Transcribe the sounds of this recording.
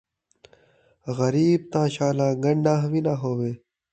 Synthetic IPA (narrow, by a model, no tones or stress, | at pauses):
ɣɐɾiːb̚t̪ãːɕaːlãːɡɐɳɖãːɦʋinaɦoːweː